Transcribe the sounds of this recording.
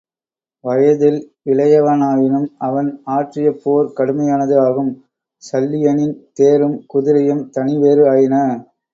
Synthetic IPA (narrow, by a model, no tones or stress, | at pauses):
ʋɐjɐðɪl | ɪɭɐjɐʋɐnaːjɪnɯmɐʋɐnaːʈrɪjɐpːoːɾkɐɽɯmɐjaːnɐðɯaːɣɯm | sɐlːɪjɐnɪnt̪eːɾɯmkʊðɪɾɐjɯmt̪ɐnɪʋeːɾɯaːjɪnɐ